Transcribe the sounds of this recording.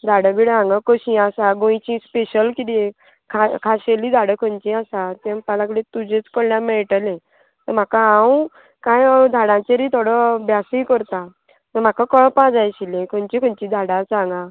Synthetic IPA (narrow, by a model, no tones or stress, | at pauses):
d̪ʱaɽəbiɽãŋɡãkəɕĩasaɡõjt͡ɕĩspeɕəlkid̪ie | kʰakʰaɕelid̪ʱaɽəkʰənt͡ɕĩasat̪ẽmpalãkɭet̪ud͡ʑẽt͡skəɽljamɛɭʈəlẽ | t̪əm̤akaɦãũ | kãjd̪ʱaɽãt͡ɕeɾit̪ʰoɽəbjasĩkəɾt̪a | t̪əm̤akakəɭpãd͡zajɕilẽkʰənt͡ɕĩkʰənt͡ɕĩd̪ʱaɽãt͡sãŋɡã